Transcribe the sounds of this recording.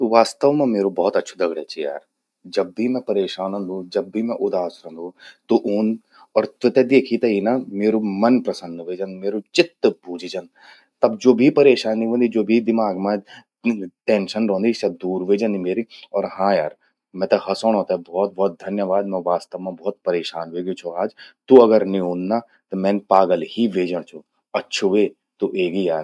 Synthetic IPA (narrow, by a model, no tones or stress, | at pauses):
ʋaːst̪əʋmãmeːɾobɔːt̪ɐtːʃʰud̪ɐɡɽet͡ʃʰija̰ːɾ | d͡ʒɐbːimɛ̃pɐɾeːʃaːnə̃nd̪ʱud͡ʒɐbːʱimɛ̃ʔʊd̪aːsɾɐ̃ːnd̪ʱũt̪oʔoːn | ɔːɾt̪et̪ɛd̪eːkʰit̪ɐinameːɾomɐnpɾɐsənːʋeːd͡ʒɐ̃nmeːɾot͡ʃɪt̪ːbuːd͡ʒʱid͡ʒɐn | t̪ɐbd͡ʒoːbʱipɐɾeːʃaːniʋõːnd̪id͡ʒoːbʱid̪ɪmaːɡmã | ʈẽːnʃənɾõːnd̪isad̪uːɾʋeːd͡ʒə̃nd̪imeːɾiɔːɾɦãːjaːɾ | mɛ̃ːt̪eɦɐsoːɽ̃ɦoːt̪aɦɛbɔːt̪̚bɔːt̪̚d̪ʱɐnjəʋaːd̪̚mɛ̃ʋaːst̪əʋmãbɔːt̪̚pɐɾeːʃaːnʋeːɡit͡ʃʰoaːd͡ʒt̪uɐɡəɾniũːnd̪na | t̪ɐmɛ̃ːnpaːɡəlɦiʋeːd͡ʒəɽ̃t͡ʃʰu | ɐtːʃʰuʋeː | t̪uʔeːɡijaːɾ